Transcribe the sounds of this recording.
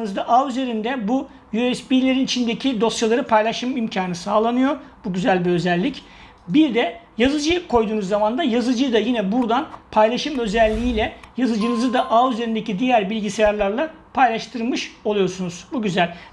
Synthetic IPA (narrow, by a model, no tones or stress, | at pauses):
nɯzd̪aʔayze̞ɾind̪ɛbu | jyɛsbilʲe̞ɾinit͡ʃʰind̪e̞cʰid̪o̞st͡ʃalˠaɾɯpʰajlˠaʃɯmimcʰaːnɯsaːlˠanɯjo̞buɟyzælʲbiø̞zɛlʲːic | biɾd̪ɛjazɯd͡ʒɯjkʰo̞jd̪uːnuzːamand̪ajazɯd͡ʒɯd̪ajinɛbuɾd̪anpʰajlˠaʃɯmø̞zɛlʲːijiːlʲɛjazɯd͡ʒɯnɯzɯd̪aʔayze̞ɾind̪e̞cid̪ijæɾbilʲɟisejaɾlˠaɾlˠa | pʰajlˠaʃt̪ʰɯɾlˠmɯʃo̞lˠujo̞ɾsunuz̥buɟyzælʲ